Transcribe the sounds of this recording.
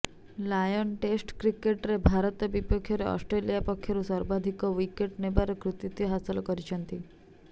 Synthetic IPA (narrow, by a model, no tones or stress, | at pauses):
lajɔnʈesʈkɾikeʈɾebʱaɾɔt̪ɔbipɔkʰːjɔɾeɔ̰sʈɾelijapɔkʰːjɔɾusɔɾbad̪ʱikɔwikeʈnebaɾɔkɾut̪it̪jɔɦasɔlɔkɔɾit͡ʃʰɔnt̪i